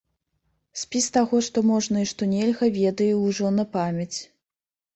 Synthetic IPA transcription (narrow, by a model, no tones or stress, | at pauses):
sʲpʲist̪aɣɔʂt̪ɔmɔʐnɐiʂt̪ɔnʲɛlʲɣɐvʲɛd̪ɐjɛwʐɔnɐpamʲɐt͡sʲ